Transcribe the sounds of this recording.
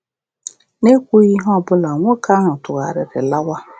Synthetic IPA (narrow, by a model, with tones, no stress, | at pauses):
ne˦kʷu˦ji˦ɦɔ˦˨bʊ˦la˨ŋʷɔ˦kʰa˦nʊ̃˨tʊ˨ɣa˨ɾɪ˨ɾɪ˨la˦wa˦